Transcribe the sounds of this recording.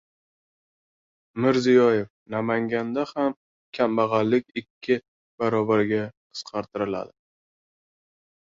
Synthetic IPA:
mɪɾzijɒjef | namaŋɡʲand̪aham | kʲʰambaʁɑlːɪkʲɪkʲʰːɪ | b̥aɾɒbaɾɡʲaqʰɨ̥sqʰɑɾt̪ʰɪɾɪla̰d̪ɪ

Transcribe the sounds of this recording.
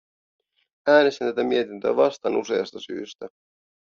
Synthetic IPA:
æːnest̪int̪æt̪æmiet̪int̪øæ̰ʋɑst̪ɑnuse̞̰ɑst̪ɑsy̰ːst̪æ

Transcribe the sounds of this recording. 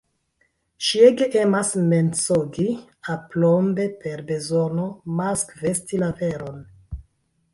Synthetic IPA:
ʃieɡeʔemasme̞nt͡soɡi | aplombe̞pe̞ɾbe̞zo̞no̞maskve̞stilave̞ɾo̞n

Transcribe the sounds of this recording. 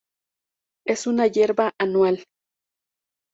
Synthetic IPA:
esunajeɾbaʔanwal

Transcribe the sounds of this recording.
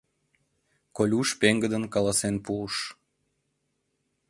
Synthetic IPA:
kolʲuʃpeŋɡəd̪ənkɑlˠɑsenpuʃ

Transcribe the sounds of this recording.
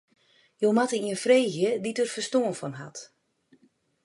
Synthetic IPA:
jomatəiənfreːɣjəditərfərstoənfɔnɦat

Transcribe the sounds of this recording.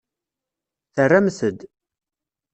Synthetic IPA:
θərːamθəd̪

